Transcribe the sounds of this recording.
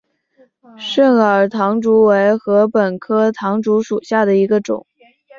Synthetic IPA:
ʂə˥˩ŋə˞˨˩t̪ʰɑ˧˥ŋʈ͡ʂu˧˥we˧˥ɪxɤ˧˥pə˨˩nkʰɤ˥t̪ʰɑ˧˥ŋʈ͡ʂu˧˥ʂu˨˩ɕja˥˩d̪ə˩i˧˥ɡə˧ʈ͡ʂʊ̰˨˩˦ŋ

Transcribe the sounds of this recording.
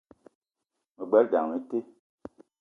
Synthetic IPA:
mə˨ɡ͡bɛ˦ɾda̰˨ŋmə˦te˦

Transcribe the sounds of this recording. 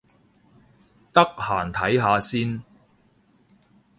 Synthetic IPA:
t̪ɐ˥k̚ha̰ː˨˩nt̪ʰɐ˨˥jɦaː˨˧siː˥n

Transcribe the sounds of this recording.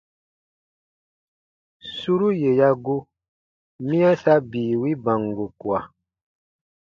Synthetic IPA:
su˦ɾu˦je˨ja˦ɡo˦ | mĩ˦a˦sa˦biː˨wi˦bã˨ŋɡo˨ku˨a̰˨

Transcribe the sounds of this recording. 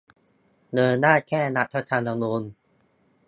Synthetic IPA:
nɤː˧naː˥˩kʰɛː˥˩na˧˥ʔ̚t̪ʰa˧˥t̪ʰaː˧na˧ŋlo˧n

